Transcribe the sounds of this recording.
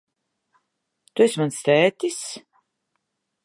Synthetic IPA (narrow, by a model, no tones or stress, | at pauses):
t̪uesʲmanst̪ɛːt̪is